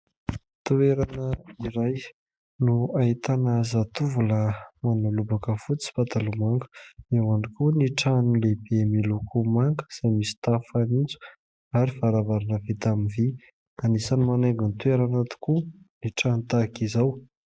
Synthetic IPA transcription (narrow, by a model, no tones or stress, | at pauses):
t̪ueɾanəiɾaj | nuaɦit̪anazat̪uvuləmanulubakəfut͡si̥pat̪alumaŋɡə̥ewanikuniʈ͡ʂanulebemilukʰumaŋɡə̥z̥ajmisi̥t̪afanind͡ʒu̥ | aɾifaɾavaɾanəvet̪amivi | kanisanimaneɡunt̪ueɾanat̪i̥kuniʈ͡ʂanit̪akizaw